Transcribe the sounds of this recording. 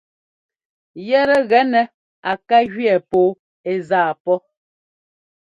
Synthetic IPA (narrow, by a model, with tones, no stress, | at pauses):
jɛ˦ɾɛ˦ɣɛ˨˦nɛ˨ | a˨ka˦ɣɥɛ˨poː˨˦ | e˨zaː˦˨pɔ˦